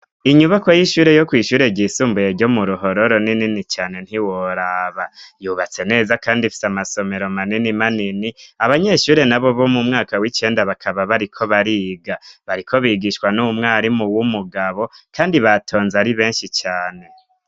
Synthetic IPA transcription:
iɲuβako̞jiʃuːɾe̞jo̞kwiːʃuːɾe̞ɟiːsuːmbujeɾɟo̞muɾuɦo̞ɾo̞ɾo̞nininit͡ʃaːne̞n̥hiwo̞ɾaːβajuβat͡se̞ne̞ːzakaːndifi̥samaso̞me̞ɾo̞maninimaniniaβaɲe̞ʃuːɾe̞naβo̞βo̞mumŋaːkawit͡ʃe̞ːndaβakʰaβaβaɾikʰo̞βaɾiːɡaβaɾikʰo̞βiɡiʃwanumŋaːɾimuwumuɡaβo̞kʰaːndiβatʰo̞ːnzaɾiβe̞ːnʃit͡ʃaːne̞

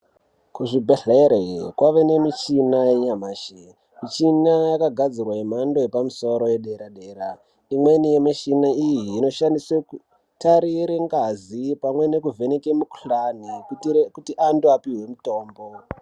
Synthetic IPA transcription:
kuʐibʱeɮeɾekwaʋe̞ne̞mit͡ʃinajeɲamaːʃe | mit͡ʃinajakaɡʱad͡zirwaim̤ando̞jepamuso̞ɾo̞je̞ɗeɾaɗe̞ːɾa | imwe̞nijemit͡ʃinaijiːno̞ʃandisweku | taɾiɾeŋɡazipamwe̞ne̞kuvʱe̞nekemuku̥ɬanikutiʔanduapiɦwe̞muto̞ːmbo̞

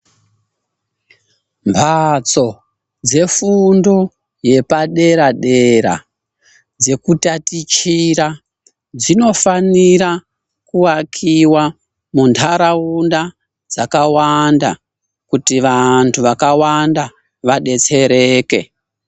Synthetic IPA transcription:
mpʰat͡so̞ | d͡ze̞fundo̞ | je̞paɗe̞ɾaɗe̞ɾa̰ | d͡ze̞kutatit͡ʃiɾa | d͡zino̞faniɾa | kuakʰiwa | muntʰaɾaunda | d͡zakawanda̰ | kutiʋantʰuʋakawanda | ʋaɗe̞t͡se̞ɾe̞ːke̞

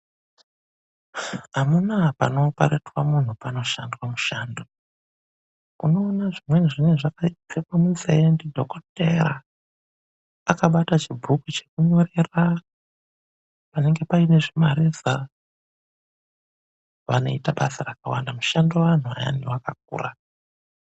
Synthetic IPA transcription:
amunapano̞paɾetwamun̤upano̞ʃandwamuʃaːndo̞ | uno̞ːnaʐimwe̞niʐineʐakaitekamuzendidʱokote̞ra | kaɓatat͡ʃibʱukut͡ʃe̞kuɲo̞ɾera | pane̞ŋɡe̞paine̞ʐimaɾiza | ʋano̞̰itaɓasarakawa̰ndamuʃando̞ʋan̤ua̰ja̰ndiwakak̚ṵːra

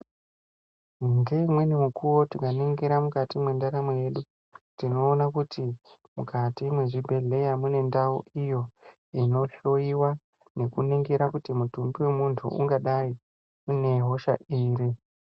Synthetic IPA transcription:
ŋɡe̞imwe̞nimukʰuwo̞tikaneŋɡeɾamukatimwe̞ndaɾamoje̞ɗu | tino̞ːnakutʰi | mukatimwe̞ʐibʱe̞ɮe̞jamune̞ndaṵʔijo̞ | ino̞ɬo̞iwa | ne̞kuneŋɡeɾakutimutumbiwe̞muntʰṵṵŋɡaɗai | une̞ɦo̞ʃa̰iːri

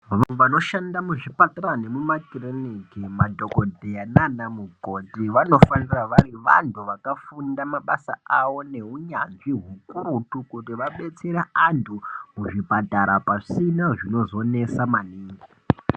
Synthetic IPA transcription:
ʋaʋano̞ʃandamuʐipataɾane̞mumakirenikimadʱokodʱeananamuɡʱotiʋano̞faniraʋaɾiʋa̰ntʰuʋakafundamaɓasa̰aʋo̞ne̞uɲanʐiɦukuɾutukutiʋaɓe̞t͡se̞ɾaantʰumuʐipataɾapasinaʐino̞zo̞ne̞samaniːŋɡi

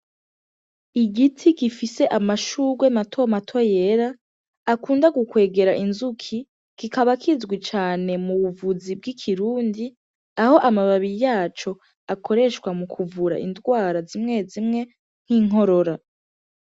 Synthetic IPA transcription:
iɡitʰiɡifise̞ʔamaʃuːɡwematʰo̞matʰo̞je̞ɾaː | kuːndaɡukwe̞ːɡe̞ɾaʔinzukʰi | kikaβakʰizɡwit͡ʃaːne̞muβuvuzib̚ɡikʰiɾuːndi | aho̞ʔamaβaβiɾijaːt͡ʃo̞ | akʰo̞ɾe̞ʃkwamukʰuvuɾa̰ʔḭndɡwaːɾazimŋezimŋe̞ | n̥hiːŋɦo̞ɾo̞ɾa

